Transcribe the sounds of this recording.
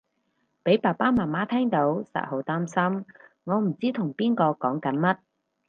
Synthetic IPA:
pe˨˥jpaː˨˩paː˥maː˨˩nmaː˥t̪ʰɛː˥ŋt̪o˨˥wsɐ̰˧˨t̚ho˨˥wt̪aː˥msɐ˥m | ŋɔː˨˧m̩˨˩t͡siː˥t̪ʰʊ˨˩ŋpiː˥nkɔː˧kɔː˨˥ŋkɐ˨˥nmɐ˥t̚

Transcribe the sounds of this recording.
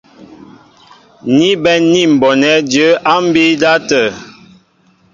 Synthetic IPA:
ni˦bɛ˦ni˦˨m̩˨bɔ˨nɛ˨˦djə˦ʔa˦m̩˦bi˦da˦tə˨

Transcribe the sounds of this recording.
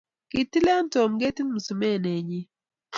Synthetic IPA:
ki˨ti˦lɛ˦nto˨mɡe˦ti˦mu˨su˨me˦˨ne˨ɲi˦

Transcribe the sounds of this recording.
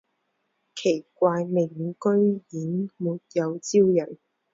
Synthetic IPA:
kʰe˨˩jkʷaː˧jme˨˩˨kɵ˥ɥjiː˨˥nmuː˨˩t̚jɐ˨˧wt͡siː˥wjɐ˨˩n

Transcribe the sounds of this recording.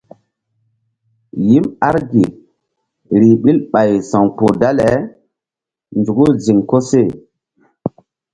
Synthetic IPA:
ji˦ma˦ɾɡi˨ | ɾi˨ɓi˦lɓa˨jsa˨ŋpu˨da˦le˨˦ | nd͡ʒu˨ɡu˦zi˨ŋko˦se˦˨

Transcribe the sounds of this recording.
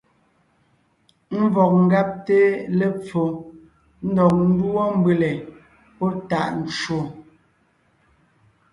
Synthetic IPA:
m̩˦vɔ˨k̚ŋ̩˦ɡa˦p̚te˦le˨p͡fo˨ | n̩˦dɔ˨k̚n̩˦dwɔ˦m˦bʉ˦le˨ | pɔ˦ta˦˨ʔn̩˨t͡ʃo˨

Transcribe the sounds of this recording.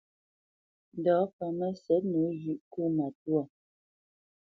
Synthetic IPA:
n˨dɔː˨˦pə˨mə˦sɛ˨˦t̚nu˨˦zʉ˨ʔku˦ma˨twɔ˦˨

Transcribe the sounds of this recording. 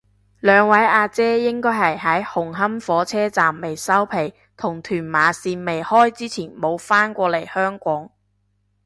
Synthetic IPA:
lœː˨˧ŋwɐ˨˥jaː˧t͡sɛː˥jɪ˥ŋkɔː˥jɦɐ˨jɦɐ˨˥jhʊ˨˩ŋɦɐ˥mfɔː˨˥t͡sʰɛː˥t͡saː˨mːe˨˩jsɐ˥wpʰe˨˩j | t̪ʰʊ˨˩ŋt̪ʰyː˨˩nmaː˨˧siː˧nme˨jhɔː˥jt͡siː˥t͡sʰiː˨˩nmo˨˧wfaː˥nkʷɔː˧le˨˩jhœː˥ŋkʷɔː˨˥ŋ

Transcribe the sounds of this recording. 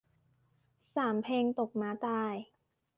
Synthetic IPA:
saː˩˦mpʰeː˧ŋt̪o˨˩k̚maː˧˥t̪aː˧j

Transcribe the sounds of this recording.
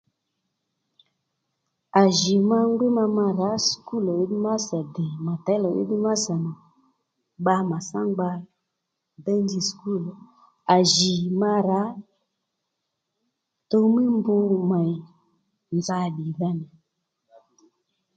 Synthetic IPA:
a˨ʒi˨ma˧ŋ˦ɡu˦ma˧ma˧ɾa˨˦sku˦˨lɔ˨i˦ɗi˦ma˦sa˨dɛ˨ma˨ta˨˦lɔ˨ʔḭ˦ɗi˦ma˦sa˨nɔ˨ | ɓa˧ma˨sa˦ŋɡ͡ba˧ | bɛ˦nd͡ʒi˧sku˦˨l | a˨ʒi˨ma˧ɾa˨˦ | to˧˦mi˦mbu˧ma˨i˨ | nd͡za˧˦˨ɗi˨ða˧nɛ˨

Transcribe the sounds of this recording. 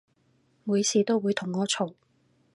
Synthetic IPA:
muː˨˧jsiː˨t̪o˥wwuː˨˧jt̪ʰʊ˨˩ŋːɔː˥t͡ʃʰo˨w

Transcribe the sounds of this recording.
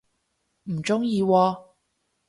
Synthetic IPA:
m̩˨˩t͡sʊ˥ŋjiː˧wɔː˧

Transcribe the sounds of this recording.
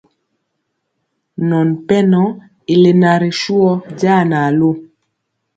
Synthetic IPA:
nɔ˨npɛ˦nɔ˦ | ɪ˨le˨na˨ɾe˨ʃwɔ˦d͡ʒa˦˨na˨lo˦

